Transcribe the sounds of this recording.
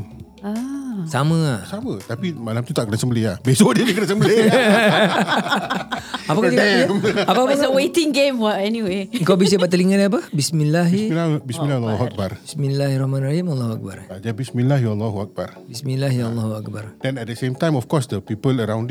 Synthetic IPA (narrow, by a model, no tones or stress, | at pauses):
asamə̃asamə̃t̪apimalamt̪ut̪aʔkənasəmbəliabesodidikənasəmbəli | apakad͡ʒikaamapapəwetĩŋɡẽmwaɛniweŋkawbis̬əbaʔt̪əliŋandiap̬əbismilːaɦilabisminlalːɦuak̚barbismilaɦɾɔhmanrahimalˠːahuak̚ba̰rad͡ʒabismĩnlahwalːaɦuak̚ba̰rbismĩlaɦjlːaɦuak̚bardɛ̃nɛt̚dəsemtãjmɔfkɔsdəpipələɾãwnd